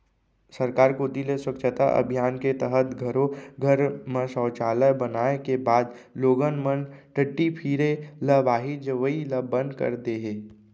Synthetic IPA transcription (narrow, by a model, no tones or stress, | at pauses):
səɾkaːɾkod̪ileswəkʃʰət̪a̰ʔə̰bʱijaːnket̪əɦət̪ɡʱəɾoɡʱəɾmə̃sɔːt͡ʃaːləbənaːekebaːd̪loːɡənmənʈəʈːipʰiːɾeləbaːɦid͡ʒəʋəiləbə̃nd̪kə̰ɾd̪eɦeː